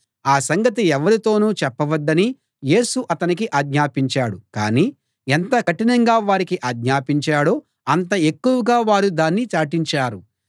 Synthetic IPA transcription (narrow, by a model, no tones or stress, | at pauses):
aːsɐŋɡɐt̪̬iɛʋɐɾit̪o̞ːnuːt͡ʃɛpːɐʋɐd̪ːɐni | je̞ːsuʔɐt̪ɐnik̬iʔaːɡɲaːpiɲt͡ʃaːɽuka̰ːniː | ɛnt̪ɐkɐʈinɐŋɡaːʋaːɾikiʔaːɡɲaːpiɲt͡ʃaːɽoː | ɐnt̪ɐe̞kːuʋɐɡaːʋaːɾud̪aːnːit͡ʃaːʈiɲt͡ʃaːɾu